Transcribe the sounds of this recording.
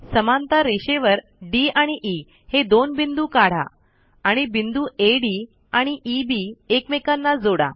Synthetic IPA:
səmant̪aɾeɕeʋəɾ | ɖiaɽ̃iʔi | hed̪onbind̪uːkaɽ̤a̰ | aɽ̃ibind̪uːeɖi | aɽ̃iʔibiekmekanːad͡zoɽa̰

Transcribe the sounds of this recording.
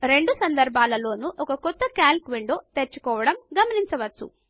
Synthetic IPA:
ɾe̞ɳɖusɐnd̪ɐɾbʱaːlɐlo̞ːnuʔɔkɐkɔt̪ːɐkaːlkʋiɳɖoːt̪eɾt͡ʃːu̥kɔːʋɐɽɐmɡɐmɐniɲt͡ʃɐʋɐt͡ʃːṵ

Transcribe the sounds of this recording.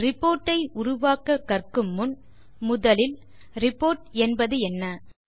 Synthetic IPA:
ɾɪpoːɾʈːɐɪʊɾʊʋaːkɐkːɐrkɯmːʊn | mʊðɐlɪl | ɾɪpːoːɾʈɛnbɐðɯɛnːɐ

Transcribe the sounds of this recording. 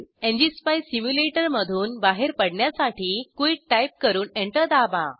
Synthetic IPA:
ẽɲd͡ʑispajsimjuleʈəɾməd̪ʱuːnbaɦeɾpəɽɳjasaʈiːkuiʈʈajp̚kəɾuːneɳʈəɾd̪abã̰

